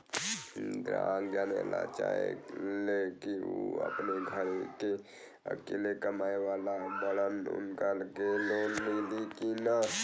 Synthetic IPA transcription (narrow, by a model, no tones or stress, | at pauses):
d̪ɾaŋɡanḛla̰t͡ʃaḛlekiṵə̰pneɡʱəɾke | ə̰kelekəmaːewalabələnʊ̰nkalkelonːilikina